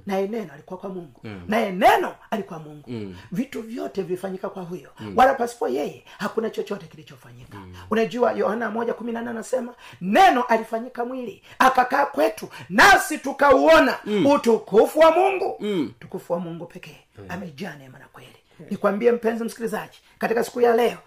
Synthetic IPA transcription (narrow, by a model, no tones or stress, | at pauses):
najɛnɛnɔalikuwakwamuŋɡunajɛnɛnɔalikwamuŋɡuvituvjɔtɛvilifaɲikakwaɦujɔwalapasi̥pɔjɛjɛhakunat͡ʃɔt͡ʃɔtɛkilit͡ʃɔfaɲikḁ̰unad͡ʒuwajɔhanamɔd͡ʒakuminananasɛmanɛnɔʔalifaɲikamwiliakakaːkwɛtunasitukauɔnautukufuwamuŋɡutu̥kufuwamuŋɡupɛkɛ | amɛd͡ʒanɛmanakwɛli | nikwambiɛm̩pɛnzim̩si̥kilizad͡ʒi̥ | katikasi̥kujalɛɔ